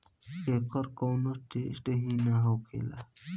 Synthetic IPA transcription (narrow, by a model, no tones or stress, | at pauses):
ekɔɾkownoʈesʈeɦĩnaɦokḛla̰